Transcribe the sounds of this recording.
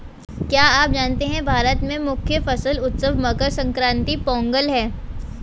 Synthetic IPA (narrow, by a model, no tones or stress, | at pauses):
kjaːaːp̚d͡ʒaːnt̪eɦɛ̃bʱaːɾət̪mẽmʊkʰjəfɐsəlʊt̪səʋmɐkəɾsɐ̃ŋkɾãːnt̪ipɔ̃ːŋɡəlɦɛː